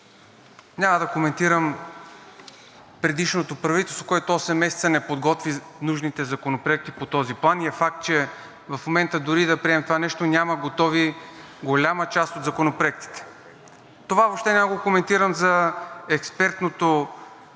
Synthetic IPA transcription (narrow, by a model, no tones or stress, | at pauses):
nʲaməd̪ɐkomɛnt̪iɾəm | pɾɛd̪iʃnot̪opɾɐvit̪ɛlˠst̪vokoʊɛt̪oɔsɛmːɛsɛt̪sənɛpod̪ɡɔt̪vinuʒnit̪ɛzɐkonopɾoɛk̚t̪ipot̪ɔziplˠaniɛfak̚t̪̚t͡ʃɛ | vɐfmomɛnt̪əd̪ʊɾid̪ɐpɾiɛmɛt̪ovanɛʃt̪onʲaməɡot̪ɔvi | ɡolʲamət͡ʃast̪otd̪zɐkonopɾoɛk̚t̪i̥t̪ɛ̥ | t̪ovavopʃt̪ɛnʲamaɡokomɛnt̪iɾəmzɐɛkspɛɾt̪not̪o